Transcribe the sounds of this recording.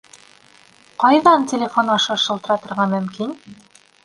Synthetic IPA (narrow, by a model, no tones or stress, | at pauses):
qɑjðɑntʲelʲefo̞nɑʃɤʃɤ̆lˠt̪ɤ̆ɾɑt̪ŏɾʁɑmɵ̆mkin